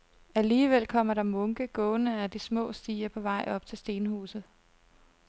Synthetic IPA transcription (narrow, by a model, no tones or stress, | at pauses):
æliːʋel̰kʰɒ̽m̰ɐɾɑ̈mɔ̽ŋɡ̥əɡ̥ɔ̽ːnəæd̥ismɔ̰̽ːsd̥ḭːɐpʰɒ̽ʋɑ̈ɪ̰ɒ̽b̥t͡sʰe̝lsd̥e̝ːnhṵːsð̩ˠ